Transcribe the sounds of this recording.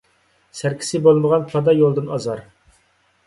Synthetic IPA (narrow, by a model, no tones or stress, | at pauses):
sæɾkʲʰi̥sɪbolˠməʁɑnpʰɑd̪ɑjolˠd̪ɨnɑzɑɾ